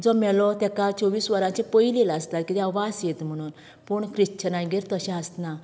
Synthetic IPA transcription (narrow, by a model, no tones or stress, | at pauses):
d͡zɔmɛlɔt̪ɛkat͡sɔʋiːsʋəɾãt͡ɕẽpəileləst̪at̪̚kit̪ɛaʋasjet̪m̤əɽ̃uːn | puɳkɾiɕt͡ɕənãjɡiɾt̪əɕɛ̃əst̪na